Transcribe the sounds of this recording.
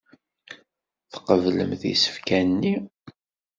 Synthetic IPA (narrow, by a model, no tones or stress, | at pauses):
θqəvlə̰mθḭsə̥fkænnːi